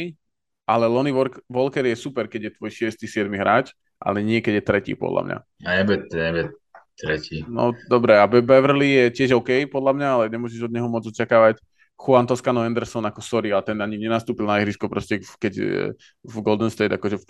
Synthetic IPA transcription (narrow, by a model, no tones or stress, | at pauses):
ʔalɛlɔniʋɔɾʋɔlkɛɾjɛsupɛɾkɛɟjɛt̪ʋɔjʃɪɛst̪isɪɛd̪miɦɾaːt͡ʃ | ʔa̰lɛɲɪɛkɛɟjɛt̪ɾɛcḭpɔ̰d̪lʔa̰mɲa̰ | aɛbɛt̪ɛbɛt | t̪ɾɛcinɔ̰d̪ɔbɾɛabɛbɛʋr̩lijɛcɪɛʒɔʊkɛjpɔd̪lamɲaalɛɲɛmʊɔʒɛʒɔd̪̚ɲɛɦɔmʊɔd͡zɔt͡ʃakaːʋac | xuant̪ɔskanɔɛnd̪ɛɾsɔnakɔsɔɾiat̪ɛnaɲiɲɛnast̪uːpilnaɛɦɾiskɔpɾɔscɛkɛɟ | vɡɔlˠd̪ɔnst̪ɛjd̪akɔʒɛ